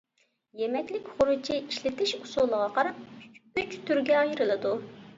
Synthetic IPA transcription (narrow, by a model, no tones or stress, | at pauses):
jɛmɛkʲlɪkʲχʊɾut͡ʃʰiʔiʃlɪt̪ɪʃusulˠəʁɑqɑɾɑp̚yt͡ʃt̪ʰyɾɡʲɛjiɾɨlˠɨd̪u